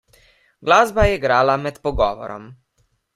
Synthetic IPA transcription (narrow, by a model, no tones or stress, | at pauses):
ɡlaːzbajɛɡɾaːlamɛt̪pɔɡɔːʋɔ̰ɾɔ̰m